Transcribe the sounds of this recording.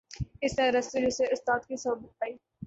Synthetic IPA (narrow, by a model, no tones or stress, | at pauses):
ɪsnẽɾɐst̪id͡ʒɪseʊst̪aːd̪kisɔːbɪt̪̚paːiː